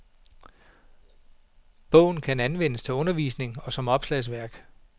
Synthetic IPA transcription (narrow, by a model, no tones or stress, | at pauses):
b̥ɔ̰̽ʊn̩kʰænænʋen̰əst͡sʰe̝lɔ̽nɐʋḭːsne̝ŋɒ̽sɒ̽mɒ̽b̥slɛs̬ʋæɐ̰ɡ̥